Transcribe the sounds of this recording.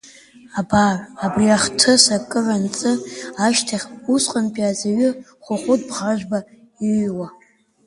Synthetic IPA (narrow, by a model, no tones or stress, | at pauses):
abarːbriaχtʰɨsakʼɨʕʷant͡sʼɨaʃtʰaχʲusqʼanpʼiazaɥʏ | χʷʊχʷʊt̚ʼbʁaʒᶣba | iwa